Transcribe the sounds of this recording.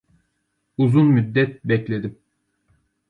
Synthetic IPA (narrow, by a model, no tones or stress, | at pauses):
uzunmyd̪ːɛt̪̚bɛclʲe̞d̪im